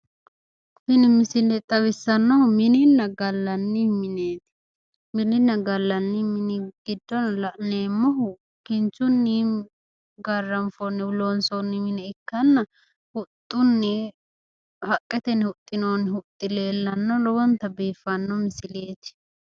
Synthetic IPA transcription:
fɪnɪmɪsɪlɛt̪ʼɐwɪsːɐnːɔhʊmɪnɪnːɐɡɐlːɐnːimɪneːt̪ɪ̥ | mɪnɪnːɐɡɐlːɐnːɪmɪnɪɡ̥ɪd̪ːɔnlɐʔneːmːɔɦʊ | kɪnt͡ʃʊnːi | ɡɐrːɐmfɔnːɪwloːnsonːɪmɪnɛɪkːɐnːɐ | hʊt̪ʼːʊnːɪ | hɐkʼːɛt̪ɛnhʊt̪ʼːɪnoːnːɪhʊt̪ʼːɪleːlːɐnːɔlɔwɔnt̪ɐbiːfɐnːɔmɪsɪleːt̪

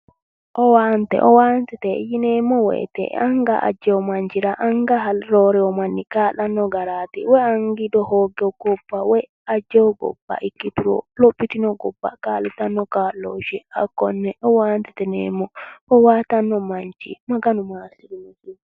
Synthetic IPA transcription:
ʔɔwantɛ̰ʔɔwantɛtɛjinɛmɔwɛ̰tɛ̰aŋɡaʔa̰d͡ʒɛɔmaɲd͡ʒiɾaʔaŋɡaɦalɾɔɾɛɔmanːikaːlanːɔɡaɾatɛ̰wɛaŋɡidɔhɔɡɛɡɔbːawɛ | ad͡ʒɛwɡɔ̰bːa̰ʔikːituɾɔ̰lopːitinɔɡɔbːa̰kaːlitanːɔkalod͡ʒɛa̰kɔnːɛʔɔwantɛtɛnɛ̰mɔɔwatanːɔmaɲd͡ʒḭmaɡanumasiɾinad͡ʒi

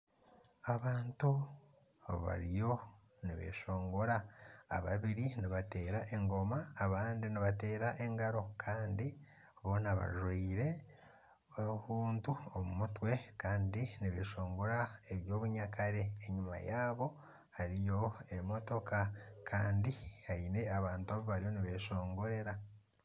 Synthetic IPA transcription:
aβaːntu | βa̰ɾijo̞ | niβḛʃo̞ːŋɡoɾa̰ːβaβiɾiniβate̞ːɾaʔe̞ŋɡo̞maːβaːndiniβate̞ːɾaʔe̞ŋɡaɾo̞kʰaːndi | βo̞naβa̰ʒwiːɾe̞ | ouhuːntuomumutwe̞kaːndiniβe̞ːʃo̞ːŋɡoɾaeβjo̞ːβuɲakaɾe̞ːɲima̰jaːβo̞ | haɾijo̞e̞mo̞to̞kakʰaːndihaine̞aβaːntuaβoβaɾijo̞niβe̞ʃo̞ːŋɡo̞ɾe̞ɾa

